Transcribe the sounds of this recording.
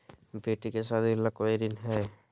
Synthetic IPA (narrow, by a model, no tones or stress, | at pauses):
beːʈikesad̪ɪlːakoiɾinɦɛː